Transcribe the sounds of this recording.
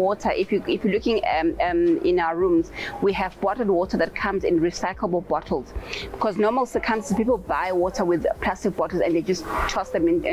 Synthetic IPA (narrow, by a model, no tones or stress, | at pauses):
wɔtʰəʔifjuifjɔlukɪ̃ŋmɪ̰̃naʊəɹũmzwiævbɔtəl̩ˠdwɔtʰəðæt̚kʰãmzɪ̰̃nɹisaɪkʰləbl̩ˠbɔtʰəl̩ˠz̥b̥ikʰɔznɔməlˠsəkʰãmsəzpipəlˠbajwɔtʰəwɪðpʰl̥astɪk̚b̥ɔtl̩ˠzɛ̰̃ndðed͡ʒasttʰːɔsðɛ̃m̃ñ